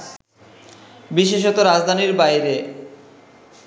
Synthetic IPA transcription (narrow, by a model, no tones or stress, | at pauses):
biʃeʃ̬ot̪oɾad͡ʑd̪ʱaniɾbajɾe